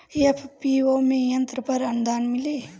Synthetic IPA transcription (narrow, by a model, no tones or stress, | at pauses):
jɐpʰpioːmẽjɐnt̪ɾəpɐɾɐnd̪aːnmileː